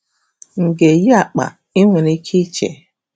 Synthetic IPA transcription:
ŋ̩˨ɡe˨ji˦a˨k͡pa̰˨ | i˦ŋʷe˨ni˦kʰi˦t͡ʃḛ˨

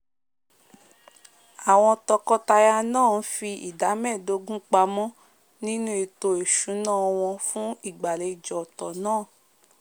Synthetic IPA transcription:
a˨w̃ɔ̃˧tɔ˧kɔ˦ta˧ja˧nãː˦˨˦fi˧ḭ˨da˨˦mɛ˦˨do˨˦ɡũ˦k͡pa˧mɔ̃˦ | nĩ˦nũ˦e˧to˧e˨ʃũ˨˦nãː˦˨ɔ˧w̃ɔ̃˧fũ˦i˦˨ɡ͡ba˨le˨˧i˨d͡ʒɔ˨tɔ˨nãː˦˨

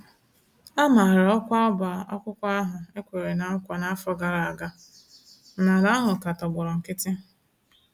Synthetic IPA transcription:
a˦ma˨ɾɔ˦kʷa˦ba˨ɔ̰˦kʷʊ˦kʷa˦a˦ɦʊ˨e˦kʷe˨ɾe˨na˨˦kʷa˨na˦a˦fɔ˦ɡa˨ɾa˨a˨ɡa˦ | na˨la˦ɦʊ˨ka˨tɔ˨ɡ͡bʊ˨ɾɔ˨ŋ̩˨kɪ˦tɪ˦

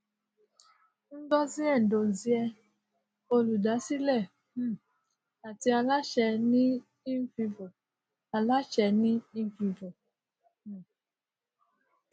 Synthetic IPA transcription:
n̩˦dɔ˦zi˦ɛ˦˨n̩˨do˨zi˦ɛ˧ | o˧lu˨da˨˦si˦lɛ˦˨˦ | a˨ti˦a˧la˦t͡ʃɛ˧nĩ˦ | i˦fi˧vo˨ | a˨la˦t͡ʃɛ˧nĩ˦i˦fi˧vo˨˦˨

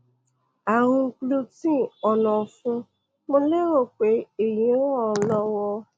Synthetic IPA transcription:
a˨wũ˧˦k͡plo˧tĩ˦ɔ˨nɔ̃˨fũ˧˦ | mo˧le˦ɾo˦˨k͡pe˨˦e˦˨jĩ˨˦wɔ̃˦˨˦lɔ˧wɔ˧

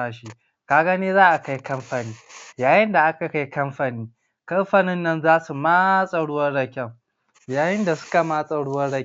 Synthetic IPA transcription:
a˨ʃi˦ | kaː˦ɡa˦neː˦zaː˦ʔa˨ka˦jkɐ˦mɸa˨niː˦jaː˨jɪ˦nda˨ʔa˦ka˨ka˦jkɐ˦mɸa˨niː˦ | kɐ˦mɸa˨nɪ˦nːɐ˦nzaː˦su˨ma˦sʼɐ˨ɽʊ˦wɐ˦rɽɐ˨kʲɛ˦m | jaː˨jɪ˦nda˨sʊ̥˦ka˨ma˦sʼɐ˨ɽʊ˦wɐ˦ɽɐ˦

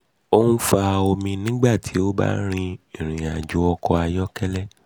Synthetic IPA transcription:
o˦nũ˦fa˧o˧mĩ˧nĩ˦ɡ͡ba˦˨tʰi˨˦o˦ba̰˦ɾ̃ĩ˧ĩ˦˨ɾ̃ĩ˨a˨d͡ʒu˨˦ɔ˧kɔ˧a˧jɔ˦kɛ˦lɛ˦˨

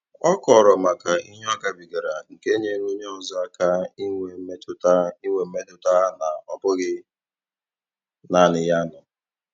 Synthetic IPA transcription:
ɔ˦kɔ˨ɾɔ˨ma˨ka˨i˦ɦɔ˦ɡa˨bi˨ɡa˨ɾa˨ŋ̩˨ke˦ɲe˦ŋ˦o˦ɲe˦ɔ˨zɔ˦a˦ka˦i˦ŋʷe˨˦me˦tʊ˨ta˦i˦ŋʷe˨m̩˦me˦tʊ˨ta˦na˨ɔ˨pʊ˦ɣɪ˦ | na˨nɪ˨ja˦nʊ˨

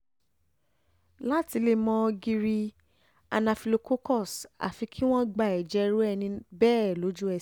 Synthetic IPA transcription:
la˦ti˧˦le˦˧mɔ̃˧ɡi˧ɾi˧ | a̰˧nã˧fi˧lo˧ko˦kɔ˦˨sa̰˨fi˧kʰi˦w̃ɔ̃˦ɡ͡ba˨ɛ˨d͡ʒɛ˨˦˧ɾu˦ɛ˧nĩ˧bɛː˦˨lo˨˦d͡ʒu˦ɛ˧˨

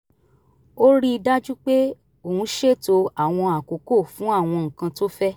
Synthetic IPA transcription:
o˦ɾi˦i˧da˦d͡ʒu˦k͡pe˦ | o˦˨hũ˧˦ʃe˦˨to˧a˨w̃ɔ̃˧a˨ko˨ko˦˨fũ˨˦a˦˨w̃ɔ̃˧ŋ̩̃˨kã˧to˦fɛ˦

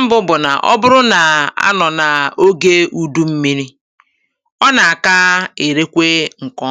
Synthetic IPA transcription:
bʊ˦bʊ˨na˨ʔɔ̰˦bʊ˦ɾʊ˦na˨a̰˦nɔ˨na˨o˦ɡe˦u˦du˦m̩˦mi˦ɾi˦ | ɔ˦na˨a˨ka˦e˨ɾe˦kʷe˦ŋ̩˨kɔ˦

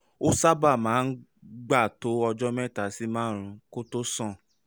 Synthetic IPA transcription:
o˦sa˦ba˦˨mãː˨˦n̩˦ɡ͡ba˦˨to˨˦ɔ˧d͡ʒɔ˦mɛ̃˦˨ta˨˦si˦mãː˦˨ɾ̃ũ˨˦ko˦to˦sɔ̃˦˨

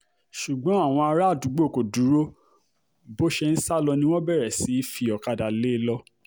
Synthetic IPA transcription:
ʃu˨ɡ͡bɔ̃˨˦a˦˨w̃ɔ̃˧a˧ɾa˦˨du˨˦ɡ͡bo˦˨ko˨du˨˦ɾo˦ | bo˦ʃe˧n̩˦sa˦lɔ˧nĩ˧w̃ɔ̃˦bɛ˦˨ɾɛ˨si˨˦fi˧ɔ˨ka˨da˨le˨˦lɔ˧˦

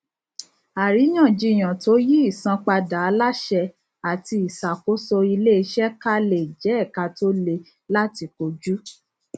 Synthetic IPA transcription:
a˨ɾi˨˦j̃ã˦˨d͡ʒi˧˨j̃ã˨to˨˦ji˦i˦˨sã˧k͡pa˧da˨a˧˦la˦ʃɛ˧ | a˨ti˧i˨sa˨ko˨˦sɔ˧i˧le˦i˧ʃɛ˦ka˦le˨d͡ʒɛ˨˦ɛ˦˨ka˧to˦le˧ | la˦ti˧ko˧d͡ʒu˦

